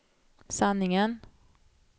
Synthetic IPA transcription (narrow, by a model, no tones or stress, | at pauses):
sanːɪŋən